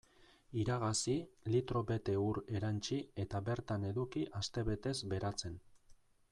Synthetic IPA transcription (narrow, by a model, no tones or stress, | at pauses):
iɾaɣ̞asilit̪ɾo̞be̞t̪e̞uɾe̞ɾant͡ʃie̞t̪aβe̞ɾt̪ane̞ðukiʔast̪e̞βe̞t̪e̞zbe̞ɾat͡se̞n